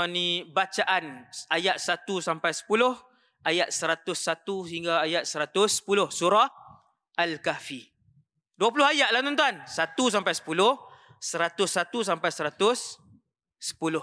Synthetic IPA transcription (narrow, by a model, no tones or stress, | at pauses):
nĩbat͡ʃaʔanajaʔ̪̚sat̪usampajsə̥pulʊh | ʔajat̪̚səɾat̪ʊsːat̪usəɦiŋɡaːjat̪̚səɾat̪ʊsːə̥pulʊhsuɾɔ | alkafi | duapulʊɦajaʔ̚laht̪ɔnt̪uansat̪us̬ampajsə̥pulʊh | səɾat̪ʊsːat̪us̬ampajsəɾat̪ʊsː | ə̥pulʊh